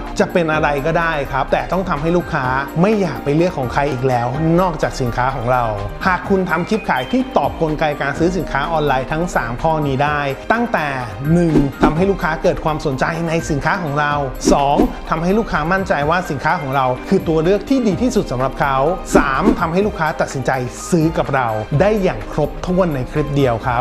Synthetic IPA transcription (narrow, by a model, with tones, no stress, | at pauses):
t͡ɕa˨˩pe˧nʔa˧ɾa˧jkɔː˥˩daː˥˩jkʰɾa˦˥p̚t̪ɛː˨˩t̪ɔ˥˩ŋt̪ʰa˧mɦa˥˩jluː˥˩kʰːaː˦˥ma˥˩jːaː˨˩k̚pa˧jlɯ˥˩əkʰːɔː˩˦ŋkʰɾa˧jʔiː˨˩k̚lɛː˦˥wnɔː˥˩k̚t͡ɕaː˨˩k̚si˩˦nkʰaː˦˥kʰɔː˩˦ŋɾa˧whaː˨˩kʰːu˧nt̪ʰa˧mkʰi˦˥p̚kʰaː˩˦jt̪ʰiː˥˩t̪ɔː˨˩p̚ko˧nka˧jkaː˧nsɯː˦˥s̬i˨˩˦nkʰaː˦˥ʔɔː˧nlaː˧jt̪ʰa˦˥ŋsaː˩˦mkʰɔː˥˩niː˦˥daː˥˩jt̪a˥˩ŋt̪ɛː˨˩ | nɯ˨˩ŋt̪ʰa˧mɦa˥˩jluː˥˩kʰːaː˦˥kɤː˨˩t̪̚kʰwaː˧msu˨˩˦nt͡ɕa˧jna˧jsi˨˩˦nkʰaː˦˥kʰɔː˩˦ŋɾa˧wsɔː˩˦ŋt̪ʰa˧mha˥˩jluː˥˩kʰaː˦˥ma˥˩nt͡ɕa˧jwaː˥˩si˨˩˦nkʰaː˦˥kʰɔː˩˦ŋɾa˧wkʰɯː˧t̪u˧ɐɾɯ˥˩ək̚t̪ʰiː˥˩diː˧t̪ʰiː˥˩su˨˩sa˩˦mɾa˨˩p̚kʰa˦˥wsaː˩˦mt̪ʰa˧mɦa˥˩jlu˥˩kʰːaː˦˥t̪a˨˩t̪̚si˩˦nt͡ɕa˧jsɯː˦˥ka˨˩p̚ɾa˧wdaː˥˩jːaː˨˩ŋkʰɾo˦˥p̚t̪ʰu˥˩ənːa˧jkʰɾi˦˥p̚di˧əwkʰa˦˥p̚